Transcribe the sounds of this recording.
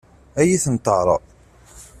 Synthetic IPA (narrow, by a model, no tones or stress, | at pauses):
æjiθənt̪əɾˤə̰